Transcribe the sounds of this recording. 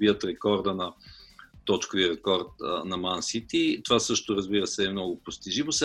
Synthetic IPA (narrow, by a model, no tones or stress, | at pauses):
biət̪ɾɛkɔɾd̪ənɐ | t̪ɔt͡ʃkʊviɾɛkɔɾt̪nɐmansit̪it̪ovasɤʃt̪oɾɐzbiɾəsɛːmnɔɡʊpost̪iʒivosɛ